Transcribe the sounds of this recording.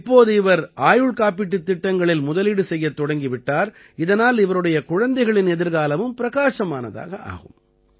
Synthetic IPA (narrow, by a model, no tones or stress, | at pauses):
ɪpːoːðɯɪʋɐɾaːjɯɭkaːp̬ɪʈːɯt̪ːɪʈːɐŋɡɐɭɪlmʊðɐlɪɽɯsɛjːɐt̪ːɔɽɐŋɡiʋɪʈːaːɾ | ɪðɐnaːlɪʋɐɾɯɽɐjɐkʊɻɐnd̪ɐɪɣɐɭɪnɛðɪɾɣaːlɐʋɯmpɪɾɐɣaːʂɐmaːnɐ̰ða̰ːɣɐʔa̰ːɣɯ̰m